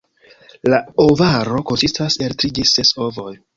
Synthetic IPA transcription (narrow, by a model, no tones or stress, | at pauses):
laovaɾo̞ko̞nsistaseltɾid͡ʒeseso̞vo̞j